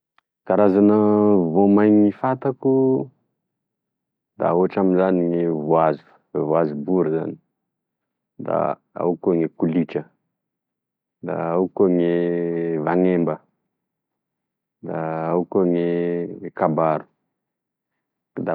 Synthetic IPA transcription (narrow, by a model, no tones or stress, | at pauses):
k̪aɾazanəvomajŋifat̪aku | d̪a̰oaʈ͡ʂaminzaniŋevuazu̥ | vuazubuɾza̰ni̥ | d̪a̰ | a̰wkoŋekulit͡ʃə | d̪a̰awkoŋevaŋembə | d̪aawkoŋeekabaɾu̥ | d̪a